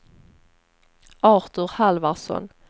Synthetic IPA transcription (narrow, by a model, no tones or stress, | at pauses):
ɑːɾt̪ɵɾhalvaɾsɔ̰n